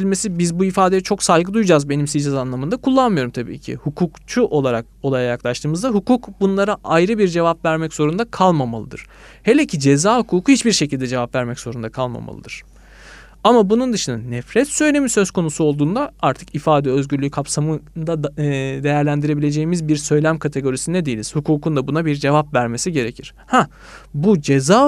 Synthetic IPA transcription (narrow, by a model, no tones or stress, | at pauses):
ilʲme̞sibizbuifaːd̪e̞jɛt͡ʃʰo̞ksajɡɯd̪ujd͡ʒazbe̞nimsid͡ʒɛzanlˠamɯnd̪akʰulˠːanmɯjo̞ɾumt̪ʰabḭːcʰḭhukʰuːkt͡ʃʰuʔo̞lˠaɾak̚o̞lˠajajaklˠaʃt̪ʰɯːmɯzd̪aɦukuːkbunlˠaɾaʔajɾɯbiɾd͡ʒe̞vapvæɾmɛcz̥o̞ɾund̪akʰalˠmamalˠɯd̪ɯ̰ɾ̥ | he̞lʲecʰid͡ʒe̞zaːhukʰuːkʰuhit͡ʃbiɾʃecilʲd̪ɛd͡ʒe̞vapvæɾmɛcz̥o̞ɾund̪akʰalˠma̰ma̰lˠɯ̰d̪ɯɾ̥ | amabunund̪ɯʃɯnɯnːɛfɾɛt̪sø̞jlʲe̞misø̞zkʰo̞nusuo̞lˠd̪uːnd̪aaɾt̪ʰɯ̥kifaːd̪ɛø̞zɟyɾlʲykʰapsamɯd̪ad̪e̞jæɾlʲænd̪iɾe̞bilʲe̞d͡ʒe̞jimizbiɾsø̞jlʲæmkʰat̪ʰe̞ɡo̞ɾisind̪ɛd̪ejilʲiz̥hukʰuːkʰund̪abunabiɾd͡ʒe̞vapvæɾme̞siɟe̞ɾecʰiɾ̥ | hɛ | bud͡ʒe̞zaː